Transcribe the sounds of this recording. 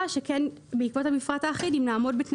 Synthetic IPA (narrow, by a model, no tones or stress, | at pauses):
ʃekɛnbeikvothamifʁataːχidimlaːmo̞dbetn